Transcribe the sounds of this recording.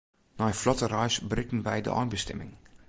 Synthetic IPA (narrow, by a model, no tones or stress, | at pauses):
nɔjflɔtərœɥsbrɪkən̩ʋɛjdə̰ʔɔ̰jnbəstɛ̰mɪ̰ŋ